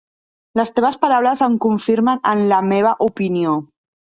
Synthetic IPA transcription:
ləst̪eβəspaɾawləzəŋkuɱfiɾmənənləmeβ̞əʔupinio

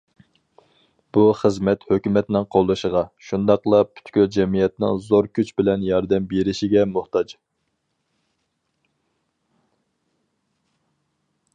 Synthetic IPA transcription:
b̥uχəzmɛt̪høkʲymɛt̪nɪŋqʰolˠːɨʃəʁɑʃund̪ɑqlˠɑpʰy̥t̪kʲyld͡ʒɛmijɛt̪nɪ̰ŋzoɾkʲʰyt͡ʃbɪlɛnjɑɾd̪ɛmbeɾɪʃiɡʲɛmʊht̪ɑd͡ʒ

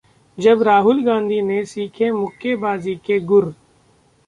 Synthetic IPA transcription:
d͡ʒɐbɾaːɦʊlɡãːnd̪ʱiːnesiːkʰẽmʊkːebaːzikeɡʊɾ

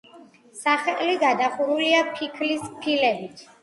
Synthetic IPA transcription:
saχɛliɡad̪aχuɾuliapʰikʰlispʰilɛbit̪ʰ

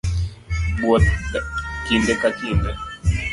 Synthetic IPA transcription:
ɓwɔ | kindɛkakindɛ

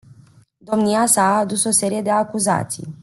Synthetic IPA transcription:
d̪o̞mniasaːd̪uso̞se̞ɾije̞d̪e̞akuza̰t̪sḭj

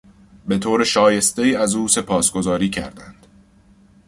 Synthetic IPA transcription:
be̞t̪ʰoːɾeʃɒːje̞st̪e̞iːæzuːse̞pʰɒːsɡ̥o̞zɒːɾiːcʰæ̰ɾd̪ænd̪̥

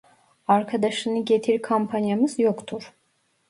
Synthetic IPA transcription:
ɑɾkʰad̪ɑʃɯniɡɛt̪ʰiɾkʰampʰɑnjaməsjɔkʰt̪ʰuɾ

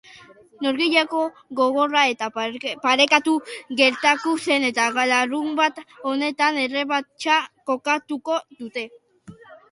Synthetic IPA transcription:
noɾɣiʎako̞ | ɣo̞ɣ̞o̞rae̞t̪apaɾe̞kat̪uɣe̞ɾt̪at̪use̞ne̞t̪aɣalarumbat̪o̞ne̞t̪ane̞reβat͡ʃako̞kat̪uko̞ðut̪e̞

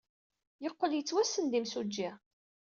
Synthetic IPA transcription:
jəqːəljət͡sːwæsːənd̪imsud͡ʒːɪ

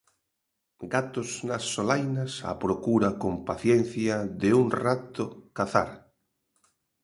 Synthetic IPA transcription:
ɡat̪oznasːolajnasa̰pɾokuɾakompaθjen̟θjaðeuŋrat̪okaθa̰ɾ

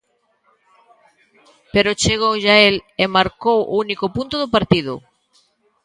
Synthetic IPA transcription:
peɾʊt͡ʃeɣowʎaelemaɾkowʔounikʊpunt̪ʊðʊpaɾt̪iðʊ̰

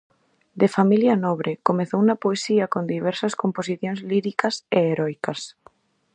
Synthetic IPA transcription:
d̪efamiljanɔβ̞ɾekomeθowunɐpoesiɐkond̪iβ̞ɛɾsɐskomposiθjõŋzliɾikɐseːɾɔjkɐs

